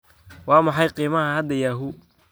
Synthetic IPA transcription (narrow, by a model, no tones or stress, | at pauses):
wɑːmɑħɑjqiːmɐhɐhɐd̪ɐjaːɦʊ